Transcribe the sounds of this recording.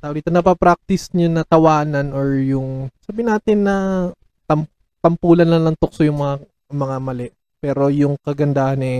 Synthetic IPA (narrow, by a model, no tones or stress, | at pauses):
t̪ɐʔʊliːt̪ɐnɐpɐpɾak̚t̪ɪsɲʊnːɐt̪ɐwaːnɐnʔoɹjʊŋsaːbɪnaːt̪ɪnːɐ | t̪ɐm | t̪ɐmpuːlɐnlɐlɐŋt̪ok̚sojʊŋmɐŋa | mɐŋamɐlɛʔ | pɛːɾo̞jʊŋkɐɡɐnd̪aːhɐnɛ